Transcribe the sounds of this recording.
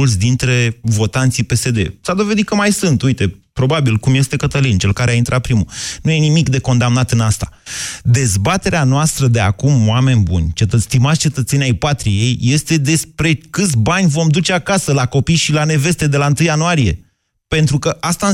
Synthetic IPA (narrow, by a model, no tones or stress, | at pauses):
ult̪sʲd̪int̪ɾe̞vo̞t̪ant̪sipe̞se̞d̪e̞̰sad̪o̞ve̞d̪it̪kəmajsɨnt̪ujt̪e̞pɾo̞babilkumje̞st̪e̞kət̪əlint͡ʃe̞lkaɾeaint̪ɾat̪̚pɾimunuje̞nimikd̪e̞ko̞nd̪amnat̪ɨnast̪ad̪e̞zbat̪e̞ɾeanoast̪ɾəd̪e̞a̰kumwame̞nʲbṵnʲt͡ʃet̪əst̪imat̪sʲt͡ʃe̞t̪ət̪se̞nʲajpat̪ɾije̞jːe̞st̪e̞d̪e̞spɾe̞kɨt̪sʲbanʲvo̞md̪ut͡ʃeakasəlako̞pijʃilane̞ve̞st̪e̞d̪e̞laɨnt̪ɨjːanuaɾije̞̰ | pe̞nt̪ɾukəʔast̪a